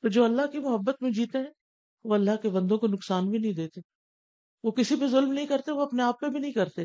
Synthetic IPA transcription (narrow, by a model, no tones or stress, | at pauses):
t̪od͡ʒoːɐlːaɦkimʊɦəbːət̪mẽd͡ʒiːt̪eɦɛ̃ː | ʋoɐlːaɦkebɐ̃nd̪õkonʊksaːnbʱinɐɦĩd̪eːt̪eː | ʋokɪsipezʊlmnɐɦĩkɐɾt̪eʋoɐpneaːpːebʱinɐɦĩkɐɾt̪e